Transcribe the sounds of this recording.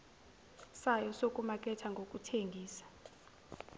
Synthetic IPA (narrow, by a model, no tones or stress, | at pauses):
sajɔsokʼumak̬ʼɛtʰaŋɡʱok̬ʼutʰeŋɡʱiːsḁ